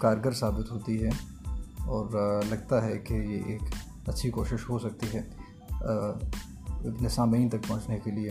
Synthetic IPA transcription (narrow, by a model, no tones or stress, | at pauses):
kaːɾɡəɾsaːbɪt̪ɦoːt̪iɦɛ | ɔːɾlɐɡ̚t̪aɦɛkejeʔeːk | ɐtːʃʰikoːʃɪʃɦosɐk̚t̪iɦɛː | nɪsãːmiːnt̪ɐk̚pɐ̃ɦʊ̃t͡ʃnekelie